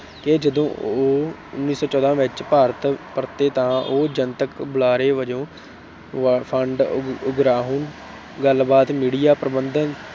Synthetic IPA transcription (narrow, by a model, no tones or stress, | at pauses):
kɪd͡ʒəd̪õːoː | ʊ̰nːiːsɔːt͡ʃɔːd̪ãːʋɪt͡ʃpaːɾət̪pəɾt̪eːt̪ãːʔoːd͡ʒənt̪əkbʊlaːɾeːʋəd͡ʒõː | pʰəɳɖʊɡɾaːɦoːn | ɡəlbaːt̪miːɽijaːpɾəbənd̪ən